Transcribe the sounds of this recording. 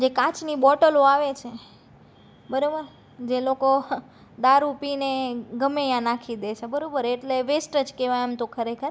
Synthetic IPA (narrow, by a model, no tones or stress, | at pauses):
d͡ʒekãt͡ʃnibɔʈəloaʋet͡ʃʰe | bəɾobəɾ | d͡ʒeloko | d̪aɾupineɡəmejãnakʰid̪et͡ʃʰebəɾobəɾeʈleʋesʈəd͡ʒkeʋajamt̪okʰəɾekʰəɾ